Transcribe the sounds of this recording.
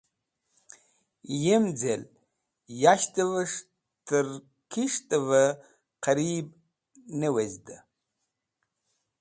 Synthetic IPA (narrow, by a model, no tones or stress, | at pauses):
jemd͡zel | jaʃtʰʼɨvɐʂ | tʰɨr | kʰiʂtʼɨvɐ | qɐɾiːb̚ | nɨwezdɨ